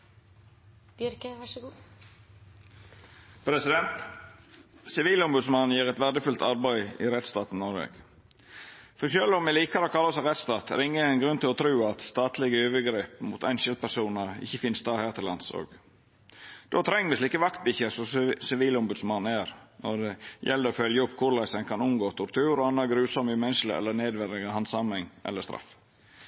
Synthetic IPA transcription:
b̥jʏɾkəʋæʂɔɡu | pʰɾɛsɪd̪ɛnt̪ | sɪʋiːlɔmbʉd̪smɑnːnjeːɾɛt̪ʋæʁd̪əfʉlt̪ʰɑɾbæɪɪ̰ɾɛt̪st̪ɑːt̪n̩nɔɾʋɛ̰ɡ̥ | fɔʃœlːɔmʋɛliːkɑɾəokʰɑlːɑɔsɑɾɛt̪st̪ɑːt̪ɾɪŋːəæɪnɡɾʉnt̪ɪlɔt̪ʰɾʉːɑt̪st̪ɑːt̪lɪɡəøːʋəɡɾeːpmʊt̪ʰæ̰ɪnʃɛl̚pʰæʂuːnɑɾɪ̰çːəfɪnst̪ɑːhæːt̪ʰəlɑnso̰ːɡ | d̪̥oːt̪ʰɾɛŋːʋɪsliːkəʋɑkt̪̚bɪçəsɔsɪʋiːlɔmbʉd̪smɑnːæɾnʔɔd̪ɛjɛlːəɾɔfœljəʊpːkʰʊɾlæɪsəŋkʰɑnʊmɡoːt̪ʰʊɾt̪ʰʉːɾɔɑnːɑɡɾʉːsɔməmɛnʃlɪ̰ɛ̰lːəneːd̪ʋɛɾɪɡəhɑnsɑmɛŋʔɛ̰lːəst̪ɾʔɑ̰f

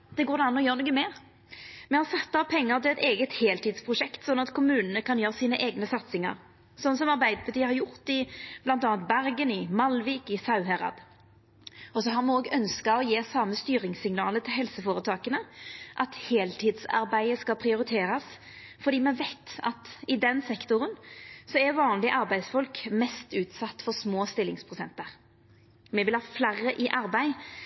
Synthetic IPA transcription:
d̪̥ɛɡoːɾd̪ɛɑnːɔjøːʁnɔɡəmɛː | mɛhɑsɛt̪ːəɑpʰɛŋːəʁt̪ʰɪlɛt̪eːɡət̪heːlt̪iːd̪spʰʁʊʃɛkt̪sɔnːɑt̪kʰʊmʉːnənəkɑnjøːʁəsiːnəʔeːɡnəsɑt̪sɪŋɑ̰ʁ | sɔnːəs̬ɔmɑɾbæɪd̪əpʰɑt̪iːəhɑɾʁjʊʁt̪ɪb̥lɑnt̪ɑːnt̪̚bæɾɡənɪmɑlʋiːkɪsɑʉɦɛɾɑ̰d̪ | ɔsɔɦɑʁmɛoːɡœnskɑɔjeːsɑməst̪yːɾɪŋsɪŋnɑːlət̪ʰɪlɦɛlsəfoːɾət̪ʰɑːkənəʔɑt̪heːlt̪ʰɪːd̪sɑ̰ɾbæɪəskɑpʰʁɪʊɾɪt̪ʰeːɾɑs | fɔd̪iːmɛʋæɪt̪ɑ̰t̪ɪd̪ɛnsɛkt̪ʊʁənsɔɛʋɑːnlɪʔɑɾbæɪsfɔlkmɛst̪ʉːt̪sɑt̪ːfɔʁsmoːst̪ɪlːɪŋspʰʁʊsɛnt̪əʁ | mɛʋɪlhɑːflæʁəʔɪʔɑɾbæɪ

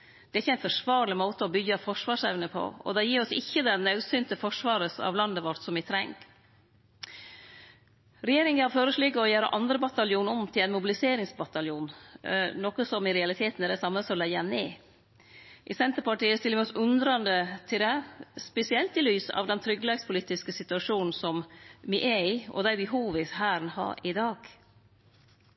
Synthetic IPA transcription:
d̪̥ɛæɾɪçːəæɪnfɔʂʋɑːɾlɪmoːt̪əɔbʏɡɑfɔʂʋɑːʂɛ̰ʋnəpʰɔ̰ɔ̰d̪ɛjiːɾɔsɪçːəd̪ɛnɑʉsynt̪əfɔʂʋɑːɾəsɑ̰ʋlɑnd̪əʋɔɾt̪sɔmʋɪt̪ʰɾɛŋɡ | ɾɛjeːɾɪŋəhɑɾføːɾəʂlikːəɔjæːɾə̰ʔɑnd̪ɾəbɑt̪ɑljuːnɔmt̪ʰɪlæɪnmʊbɪlɪseːɾɪŋsbɑt̪ɑljuːnnɔkəsɔmɪɾɛɑlɪt̪ʰeːt̪n̩ɛɾd̪ɛsɑmːəsɔlɛjəneː | ʔɪsɛnt̪əɾpɑʈiːəst̪ɪlːəʋɪɔsʉnd̪ɾɑnd̪ət̪ʰɪld̪ɛspɛsɪɛlt̪ɪlyːsɑ̰ʋd̪ɛnt̪ʰɾʏɡlɛɡspʰʊliːt̪ɪskəsɪt̪ʉɑʂuːnn̩sɔmʋɪʔɛɪʔɔ̰d̪æɪbəɦuːʋɪshæːɾnhɑ̰ːɾɪd̪ɑːɡ̥

